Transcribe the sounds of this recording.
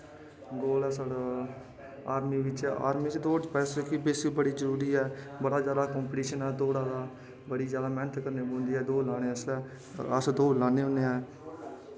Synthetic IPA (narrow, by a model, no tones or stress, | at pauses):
ɡoːlɛːsaːɽaː | aːɾmiːʋɪt͡ʃa̰ːɾmiːt͡ʃːd̪oːd͡ʒpɛːsekibeːsbəɽiːzəɾuːɾiːɛːbəɽaːd͡ʒjaːd̪aːkɔ̃ːmpʈiːʃənɛːd̪oːɽaːd̪aː | bəɽiːd͡ʒjaːd̪aːmɛːnət̪ʰkəɾneːbõːnd̪iːɦɛːd̪oːlaːɽ̃ẽːəslɛː | əsd̪oːlãːnẽːɦʊ̃neːɦɛː